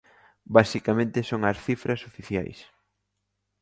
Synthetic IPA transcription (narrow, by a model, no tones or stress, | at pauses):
basikamẽnt̪ɪsoŋɐsθifɾɐsofiθja̰js